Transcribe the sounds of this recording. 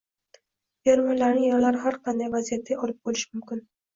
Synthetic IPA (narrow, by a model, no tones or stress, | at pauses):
jaɾmɒnlaɾnɪjɒɾlaɾɦaɾqʰɑnd̪ajvazijat̪̚ːaɒlˠɪp̚bolɪʃɪmʊmkʲɪn